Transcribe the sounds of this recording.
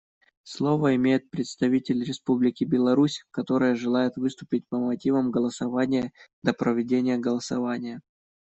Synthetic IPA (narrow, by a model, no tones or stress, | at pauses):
slˠo̞vəɪmʲejɪt̪̚pɾʲɪt̪st̪ɐvʲitʲɪlʲɾʲɪspublʲɪkʲɪbʲɪlˠɐɾusʲkɐt̪o̞ɾɨjəʐɨlˠajɪt̪vɨst̪ʊpʲɪt̚ʲpəmɐtʲivəmɡəlˠəsɐvanʲɪjəd̪̥əpɾəvʲɪdʲenʲɪjəɡəlˠəsɐvanʲɪjə